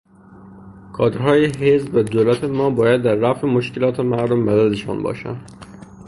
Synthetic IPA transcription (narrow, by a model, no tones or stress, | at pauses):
kʰɒːd̪ɾɦɒːjeɦezbvæd̪oːlæt̪ʰemɒːbɒːjæd̪ːæɾːæfemoʃke̞lɒːt̪ʰe̞mæɾd̪omːæd̪æd̪e̞ʃɒ̰ːnbɒ̰ːʃæ̰nd̪